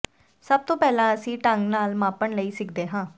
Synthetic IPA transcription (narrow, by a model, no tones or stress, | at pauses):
səb̚t̪õːpɛːlãːəsĩːʈəŋɡnaːlmaːpəɳləiːsɪkd̪eːɦãː